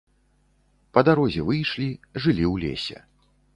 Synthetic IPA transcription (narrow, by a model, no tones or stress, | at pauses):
pɐd̪aɾɔzʲɛvɨjʂlʲiʐɨlʲiwlʲḛsʲɛ̰